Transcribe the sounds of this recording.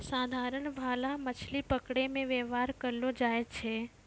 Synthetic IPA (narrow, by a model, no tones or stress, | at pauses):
saːd̪ʱaːɾəɳbʱaːlamɐt͡ʃʰlipəkɽemẽʋeʋaːɾkəɾlod͡ʒaːet͡ʃʰeː